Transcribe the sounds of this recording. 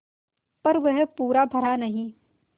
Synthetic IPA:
pɐɾʋɐɦpuːɾabʱɐɾanɐɦĩ

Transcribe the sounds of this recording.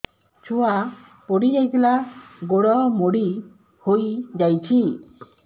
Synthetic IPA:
t͡ʃʰua | pɔɽid͡ʒajt̪ʰilaɡoɽɔmoɽi | hojd͡ʒajt͡ʃʰi

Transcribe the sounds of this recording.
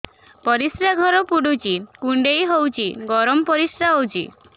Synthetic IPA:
pɔɾisɾaɡʱɔɾɔpuɽut͡ʃʰikuɳɖejɦowt͡ʃʰiɡɔɾɔmɔpɔɾisɾaɦowt͡ʃʰḭ

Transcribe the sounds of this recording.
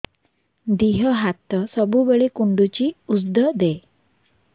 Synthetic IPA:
d̪iɦəɦat̪ːəsəbubəɭekuɳɖut͡ɕiːusd̪əd̪e

